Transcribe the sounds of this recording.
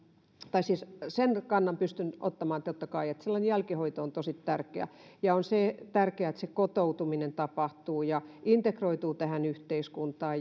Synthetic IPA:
t̪ɑisiːssenkɑnːɑmpyst̪ynʔo̰t̪ːɑmɑːnt̪ot̪ːɑkɑiet̪selːɑinejælkihoit̪oont̪osit̪tærkeæ̰jɑonseːˑt̪ærkeæet̪sekot̪out̪uminent̪ɑpɑht̪uːjɑint̪ekroit̪uːt̪æhænyht̪eiskunt̪ɑː

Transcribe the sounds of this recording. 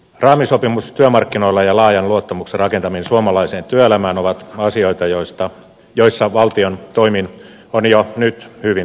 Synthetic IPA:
rɑːmisopimust̪yømɑrkːinoilːɑjɑlɑːjɑnluot̪ːɑmukserɑkent̪ɑminsuomɑlɑiseːnt̪yøelæmæːnoʋɑt̪ɑsioit̪ɑjoist̪ɑ | joisːɑʋɑlt̪iont̪oimin | onjonyt̪hyʋin

